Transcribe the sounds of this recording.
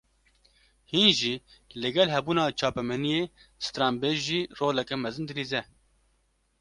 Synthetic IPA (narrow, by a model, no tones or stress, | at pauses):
hinʒiːlɨɡɛlɦɛbuːnɑːt͡ʃʰɑːpɛmɛnijeːst̪ɾɑːmbeːʒiːroːlɛkɛmɛzɨnd̪ɨliːzɛ